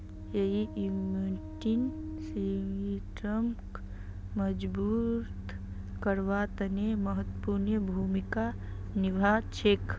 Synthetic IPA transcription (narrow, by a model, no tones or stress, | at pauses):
jeɦiumuʈinsiŋiʈɾəmk | məd͡ʒbuɾt̪ | kəɾʋat̪əneməɦət̪ːpuɾnjəbʱuːmika | nɪbʱat͡ʃʰek